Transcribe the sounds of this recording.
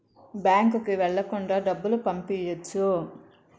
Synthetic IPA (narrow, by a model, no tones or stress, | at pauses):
bjaːŋkukiʋɛɭːɐkuɳɖaːɖɐbːulupɐmpijɐt͡ʃːu